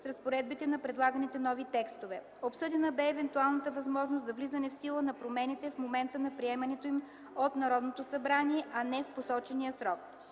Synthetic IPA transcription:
sɾɐspoɾɛd̪̚bit̪ɛnɐpɾɛd̪lˠaɡənit̪ɛnɔvit̪ɛkst̪ovɛ | opsɤd̪ɛnəbɛːvɛnt̪ualˠnət̪əvɐzmɔʒnoszɐvlizənɛfsilˠənɐpɾomɛnit̪ɛfmomɛnt̪ənɐpɾiɛmɐnɛt̪oim | ot̪nɐɾɔd̪not̪osɐbɾaniɛʔɐnɛfposɔt͡ʃɛnijəsɾɔk

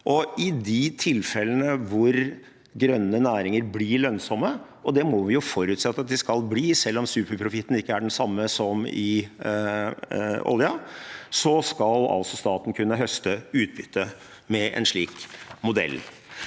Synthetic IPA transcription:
ʔɔɪd̪ɪt̪ʰɪlfɛlːənəʋʊɾ | ɡɾœnːənæːɾɪŋəɾbliːɭœnsɔmːə | ɔd̪ɛmɔʋɪjʊfɔɾʉːt̪sɛt̪ːɑt̪̚d̪ɛskɑlbliːsɛlːɔmsʉːpəɾpʰɾʊfɪt̪ːn̩ɪkːəæɖɛnsɑmːəsɔmɪ | ɔ̰ljɑsɔskɑlɑ̰lsɔst̪ɑːt̪n̩kʰʉnːəɦœst̪əʉːt̪̚bʏt̪ʰːə | mɛʔɛ̰nʂɭiːkmʊd̪ɛ̰lː

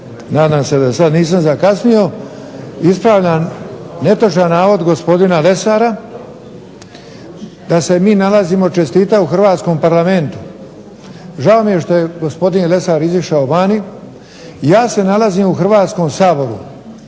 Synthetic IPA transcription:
naːd̪aːmse̞d̪asad̪niːs̬amzakasnijo̞ | ispɾaːʋʎane̞t̪ot͡ʃanaːʋo̞d̪ɡo̞spo̞d̪inale̞saːɾa | d̪ase̞miːnalaziːmo̞t͡ʃe̞st̪iːt̪auxr̩ʋaːt̪sko̞mpaɾlame̞nt̪u̥ | ʒao̞mijeʃt̪o̞je̞ɡo̞spo̞d̪inle̞saːɾiziʃaoʋani | jaːse̞nalaziːmuxrʋaːt̪sko̞msaːbo̞ɾu

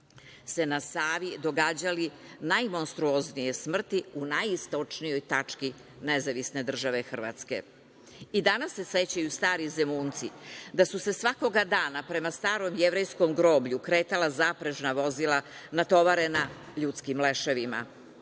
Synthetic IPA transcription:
se̞nasaːʋid̪o̞ɡaːd͡ʑalinajmo̞nst̪ɾuoznije̞smr̩t̪iunajist̪o̞t͡ʂnijo̞jt̪at͡ʂki | nezaʋisne̞d̪r̩ʒaʋexr̩ʋa̰t̪ske̞̰ | id̪anasːe̞se̞t͡ɕajust̪aːɾize̞muːnt̪sid̪asuse̞sʋako̞ɡad̪aːnapɾe̞mast̪aːɾo̞mjeʋɾejsko̞mɡɾo̞ːbʎukɾeːt̪alazapɾeʒnaʋo̞zilˠanat̪o̞ʋaɾe̞naʎut̪skimle̞ʃeʋima̰

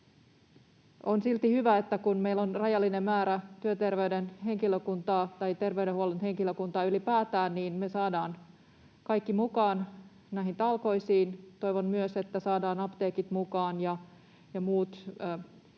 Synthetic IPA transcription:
onsilt̪ihyʋæet̪ːækunmeijlːonrɑjɑlːinemmæːɾæt̪yøt̪erʋeyɥdenɦe̞ŋkiløkunt̪ɑːt̪ɑjt̪e̞rʋeyɾehuolenhe̞ŋkiløkunt̪ɑːylipæːt̪æːnniːnmesɑːdɑːn | kɑikːimukɑːn | næiɦint̪ɑlko̞isiːnt̪o̞jʋonmyøse̞t̪ːæsɑːdɑːnɑpt̪eːkit̪mukɑːnjɑ | jɑmuːt̪ː

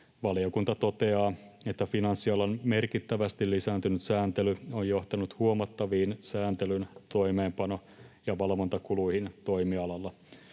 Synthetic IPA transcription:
ʋɑlio̞kunt̪ɑt̪o̞t̪eɑː | e̞t̪ːæfinɑnsːiɑlɑnme̞rkit̪ːæʋæst̪illisæːnt̪ynyt̪sæːnt̪elyojjo̞ht̪ɑnut̪huomɑt̪ːɑʋiːnsæːnt̪elynt̪o̞ime̞ːmpɑno̞ | jɑʋɑlʋont̪ɑkuluihint̪o̞jmiɑlɑlːɑ

